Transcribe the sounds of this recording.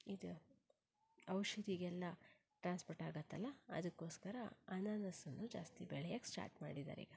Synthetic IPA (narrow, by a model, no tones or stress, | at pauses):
id̪u | ɐwʃɐd̪ʱiɡɛlːɐ | ʈɾaːnspoːɾʈaːɡɐt̪ːɐlːɐɐ̰d̪ɐkːo̞ːskɐɾɐɐnaːnɐsɐnːud͡ʒa̰ːst̪ibɛɭɛjaksʈa̰ːɾʈmaːɽid̪a̰ːɾḭːɡɐ